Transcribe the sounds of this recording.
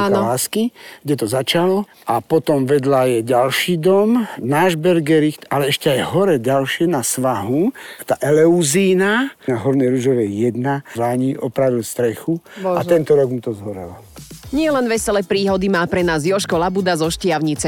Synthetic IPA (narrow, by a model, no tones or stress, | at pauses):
aːnɔaːskiɡɟɛt̪ɔzat͡ʃalɔ | ʔapɔt̪ɔmʋɛd̪lajɛɟalʃiːd̪ɔmnaːʒbɛɾɡɛɾixt̪alɛɛʃcɛajɦɔɾɛɟalʃɪɛnasʋaɦut̪aːʔɛlɛuziːnanaɦɔɾnɛjɾuʒɔʋɛjɛd̪nazlaɲiʔɔpɾaʋilst̪ɾɛxuɔaɛnt̪ɔɾɔɡmut̪ɔzɦɔɾɛ̰lɔ | ɲɪɛlɛnʋɛsɛlɛpɾiːɦɔd̪imaːpɾɛnaːzjɔʃkɔlabud̪azɔʃcɪaʊɲit͡sɛ